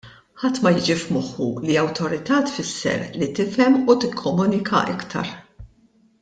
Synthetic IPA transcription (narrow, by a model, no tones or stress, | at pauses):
ħɐt̪ːmɐjɪːd͡ʒifmɔħːuliɐwt̪ɔɾɪt̪ɐːt̪fɪsːɛ̰ɾlit̪ɪfɛmut̪ɪkʰːɔmuːnɪkʰɐ̰ʔɪkt̪ʰɐ̰ɾ